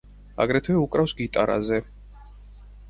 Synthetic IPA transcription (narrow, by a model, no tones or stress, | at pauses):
a̰ɡɾɛt̪ʰwɛukʼɾafsɡit̪ʼaɾa̰zɛ